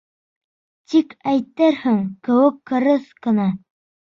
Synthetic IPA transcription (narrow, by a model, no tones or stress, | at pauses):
t̪ikæjt̪æɾhɘŋkɘ̆wɘkːɤ̆ɾɤθkɤ̆nɑ